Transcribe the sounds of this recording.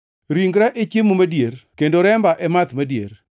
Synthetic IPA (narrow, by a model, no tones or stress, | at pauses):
ɾiŋɡɾaʔet͡ʃjemomadjeɾkendoɾɛmbaʔɛmat̪madjḛɾ